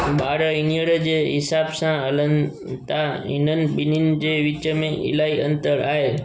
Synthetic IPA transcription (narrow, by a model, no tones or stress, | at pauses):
baɾəiniəɽəd͡ʒeɦisabsãələn | t̪ainənbinind͡ʒeʋit͡ʃəmẽʔḭlaiənt̪əɾaɦe